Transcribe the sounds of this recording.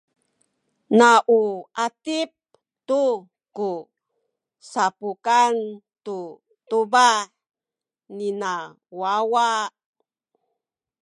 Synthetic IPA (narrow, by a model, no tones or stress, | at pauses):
naʔuatip̚ | tu | ku | sapukan | tu | tubaħ | nina | wawa